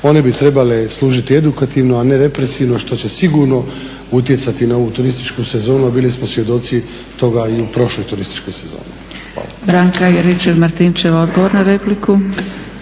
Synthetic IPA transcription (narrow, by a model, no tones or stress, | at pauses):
o̞nebit̪ɾe̞baleslˠuːʒit̪ie̞d̪ukat̪iːʋnoane̞ɾe̞pɾesiːʋno̞ʃt̪o̞t͡ɕe̞siɡuːɾno̞ | ut̪je̞t̪sat̪inao̞ʋut̪uɾist̪it͡ʃkuse̞zo̞ːnuabilismosʋje̞d̪o̞t̪si | t̪o̞ɡaiupɾo̞ʃlojt̪uɾist̪i̥t͡ʃko̞jse̞zo̰ːni | xʋa̰ːla̰bɾaːŋkajeɾet͡ʃeʋmaɾt̪int͡ʃeʋaod̪ɡoʋoɾnaɾepliku